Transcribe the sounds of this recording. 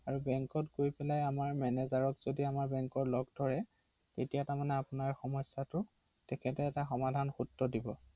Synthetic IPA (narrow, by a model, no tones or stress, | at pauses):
aɹubɛŋkɔtɡojpɛlajamaɹmɛnɛzaɹɔkz̥odiamaɹbɛŋkɔɹlɔɡdʱɔɹɛ | tetijatamanɛapʊnaɹxɔmɔsːatʊ | tɛkʰɛtɛːtaxɔmadʱanxutːɔdibɔ